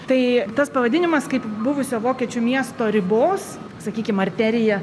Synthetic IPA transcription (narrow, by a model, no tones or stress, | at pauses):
t̪ɐɪt̪ɐspɐʋɐd̪ʲɪnʲɪmɐskɐɪpbʊʋʊsʲoːʋoːkʲiɛt͡ʃʲʊmʲiɛst̪oːɾʲɪboːs | sɐkʲiːkʲɪmɐɾʲt̪ʲæːɾʲɪjɛ